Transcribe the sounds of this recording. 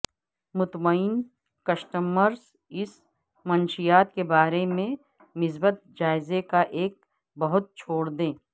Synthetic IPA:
mʊt̪məɪn | kɐsʈəməɾs | ɪs | mɐnʃijaːt̪kebaːɾemẽ | nɪs̬bət̪̚d͡ʒaːɪzekaʔeːk̚ | bɐɦʊt̪̚t͡ʃʰoːɽd̪ẽː

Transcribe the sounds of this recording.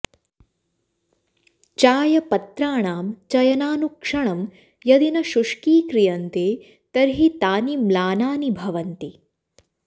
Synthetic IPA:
t͡ʃaːjɐpɐt̪ɾaːɳaːmt͡ʃɐjɐnaːnukʂɐɳɐm | jɐd̪inɐʃuʂkiːkɾijɐnt̪eː | t̪ɐɾɦit̪aːnimlaːnaːnibʱɐʋɐnt̪i

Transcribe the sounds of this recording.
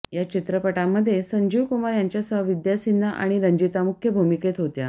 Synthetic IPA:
jat͡ɕit̪ɾəpəʈamːəd̪ʱːjesəɲd͡ʑiʋkumaɾjaɲt͡ɕjasəʋid̪jasinːaʔa̰ɽ̃iɾəɲd͡ʑit̪amukʰjəbʱumiket̪ɦot̪ja

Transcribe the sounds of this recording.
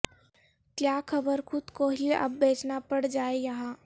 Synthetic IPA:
kjaːkʰɐbəɾxʰʊd̪koːɦieʔɐ̰bːeːt͡ʃnapɐɽd͡ʒaːejɐɦãː

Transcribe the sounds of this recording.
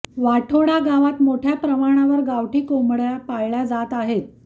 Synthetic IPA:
ʋaʈʰoɽaɡaʋat̪moʈʰjapɾəmaɽ̃aʋəɾɡaʋʈʰiːkomɽjapajɭjad͡zat̪aɦet̪

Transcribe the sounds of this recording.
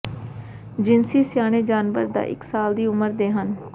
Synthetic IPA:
d͡ʒɪnsiːsjaːɽ̃eːd͡ʒaːnʋə̰ɾd̪a̰ːʔɪ̰ksaːld̪iːʊməɾd̪eːɦən

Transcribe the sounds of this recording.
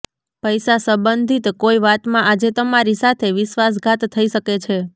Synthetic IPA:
pəjsasəbənd̪ʱit̪koiʋat̪mãʔad͡ʒet̪əmaɾisat̪ʰeʋɪʃʋas̬ɡʱat̪ʰːəiʃəket͡ʃʰe

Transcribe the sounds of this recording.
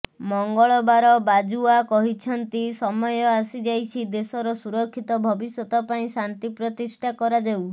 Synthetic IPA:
mɔŋɡɔɭɔbaɾɔbad͡ʒuakɔɦit͡ʃʰɔnt̪isɔmɔjɔasid͡ʒajt͡ʃʰid̪esɔɾɔsuɾɔkʰːit̪ɔbʱɔbisjɔt̪ɔpaĩsant̪ipɾɔt̪isʈʰakɔɾad͡ʒew

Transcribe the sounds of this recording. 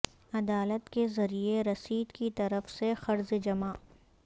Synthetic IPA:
ɐd̪aːlət̪kezɐɾieɾɐsiːd̪kit̪ɐɾəfsexɐɾzd͡ʒɐmaːʔ

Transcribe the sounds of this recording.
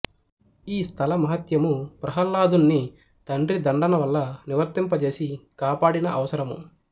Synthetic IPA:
iːst̪ʰɐlɐmɐɦɐt̪jɐmupɾɐɦɐlːaːd̪unːi | t̪ɐɳɖɾid̪ɐɳɖɐnɐʋɐlːɐniʋɐɾt̪impɐt͡ʃe̞ːsikaːpaːɽinɐʔɐʋɐsɐɾɐmṵ

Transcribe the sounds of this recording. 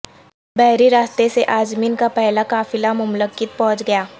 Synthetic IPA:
bɛɦɾiɾaːst̪eseʔaːd͡ʒmiːnkapɛɦlakaːfɪlamʊmləkɪt̪̚pɔ̃ɦʊ̃t͡ʃɡɐjaː

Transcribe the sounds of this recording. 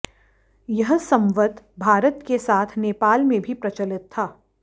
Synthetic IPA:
jɐɦsɐ̃mʋəd̪ | bʱaːɾət̪kesaːt̪ʰneːpaːlmẽbʱipɾɐt͡ʃəlɪt̪ʰːaː

